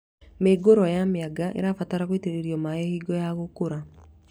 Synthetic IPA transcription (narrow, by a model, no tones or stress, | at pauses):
meːɡoɾwɔjameaɡaʔḛɾaːfataɾaɣweteɾeɾjɔmaehiːɡɔjaɣokoɾa